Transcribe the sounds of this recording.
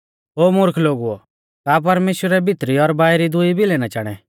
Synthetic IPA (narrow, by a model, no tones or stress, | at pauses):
ɦoːmʊɾkʰloːɡuɔ̰ | kaːp̬ɐɾmeːʃwəɾɛbʱɪt̪ɾiɔɾbaːjɾid̪ʊibʱilɛnat͡ʃaːɽ̃ɛ̰